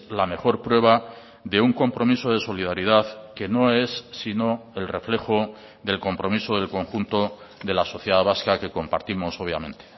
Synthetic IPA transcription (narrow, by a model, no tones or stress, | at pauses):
lame̞xo̞ɾpɾwe̞β̞a | ðe̞uŋko̞mpɾo̞miso̞ð̞e̞so̞lið̞aɾiðaθke̞no̞e̞sːino̞e̞lre̞fle̞xo | ðe̞lko̞mpɾo̞miso̞ðe̞lko̞ŋxunt̪o̞ | ðe̞laso̞θjeðaβ̞askake̞ko̞mpa̰ɾt̪imo̞so̞βja̰mẽ̞nt̪e̥